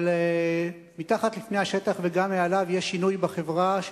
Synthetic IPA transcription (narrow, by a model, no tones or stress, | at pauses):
le | mit̪aχat̪lifnejhaʃe̞t̪aχveɡamːealavjeʃːinujbaχe̞vʁa